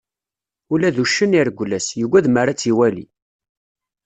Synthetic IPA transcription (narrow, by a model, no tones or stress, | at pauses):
ulæðuʃːəniɾɡʷlæsjuɡʷæðmaɾat͡sːiwælḭ